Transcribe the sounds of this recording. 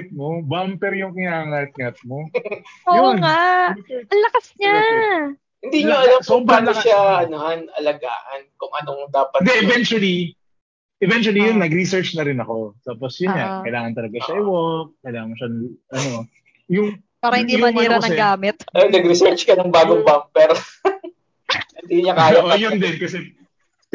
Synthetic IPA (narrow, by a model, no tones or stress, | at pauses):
t̪̚mobampɛɾjʊŋkɪŋaːŋɐt̪̚ŋɐt̪̚moooŋa | ɐŋlɐkɐsɲa | hɪnd̪iːɲoɐlɐmsobaɐʃaʔɐnohanɐlɐɡa̰ːʔɐnkʊŋʔɐnoŋd̪aːpɐt̪nd̪ɛʔɛvɛnt͡ʃwɐli | ʔɛvɛnt͡ʃʊwɐlijonːɐɡɾisɛɹt͡ʃnɐɾɪnɐko̞t̪aːposjʊnakɐjlaːŋɐnt̪ɐlɐɡaʃɐʔɪwok̚kɐjlaːŋɐʃɐnʔɐno | jʊŋ | paːɾɐhɪnd̪imɐniːɾɐɐnɐɛɡaːmɛt̪̚nɐɡɾɪsɛɹt͡ʃkɐnɐŋbaːɡoŋbamp̚pɛɾ | ɪnd̪iːɲɐkaaʔojʊnd̪ɛnkɐsɛ